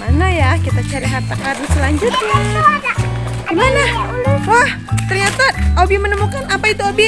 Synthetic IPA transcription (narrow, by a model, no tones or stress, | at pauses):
manajakit̪at͡ʃaɾiɦart̪akaɾaŋsəlaɲd͡ʒʊt̪̚ɲa | ɡimanaɦah | t̪ərɲat̪aobimənəmukanapait̪uobi